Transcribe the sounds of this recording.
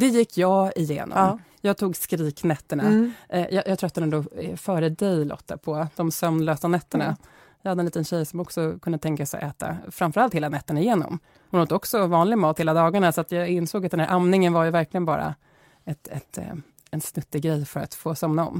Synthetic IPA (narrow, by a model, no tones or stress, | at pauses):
d̪̥ɛjɪkʰːjɑːɪjḛːnɔ̰m | jɑːt̪ʰuːɡskɾiːknɛt̪ːəɳajʔɑjɑːt̪ʰɾœt̪ːad̪ɛnd̪oːfœːɾəd̪ɛjlɔ̰t̪ʰːapʰɔd̪̥ɔmsœmnløːsanɛt̪ːəɳa | jɑːhad̪əɛnliːt̪ənɕɛjːsɔmɔksɔkʰɵnd̪ət̪ʰɛŋkasɛ̰ʔɛːt̪a̰fɾamfœɾalt̪heːlanɛt̪ːəɳaɪjeːnɔ̰m | hʊnhoːt̪ːəɔksɔvɑːnlɪɡmɑːt̪heːlad̪ɑːɡaɳasɔat̪jɑːɪnsoːɡat̪d̪ɛnæɾʔamnɪŋənvaɾjɵvæɾklɪɡənbɑ̰ːɾa̰ | ɛt̪ɛ̰t̪ | ɛnsnɵt̪ːɪɡɾɛjfœɾa̰t̪foːsɔmnaɔ̰mː